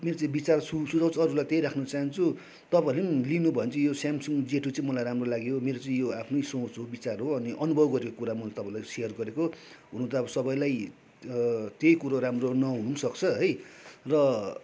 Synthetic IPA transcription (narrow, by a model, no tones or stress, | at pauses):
meɾot͡sãĩbit͡sarsusud͡zaw̃t͡sʰʌːɾulajt̪ejɾakʰnʌt͡saɦʌnt͡sʰu | t̪ʌpailemlinubʱʌjent͡sʰʌjosjamsuŋd͡zeʈut͡saĩmʌlajramrolaɡjomeɾot͡sʌ̃ĩjoapʰnʌjsõt͡sɦobit͡sarɦoʌniʔʌnubʱʌbɡʌɾekokuɾamʌlat̪ʌpaĩlajsijʌrɡʌɾekoɦunũnt̪aʌbʌsʌbʌjlaj | t̪ejkuɾoramronʌɦununsʌkt͡sʰʌɦʌjrʌ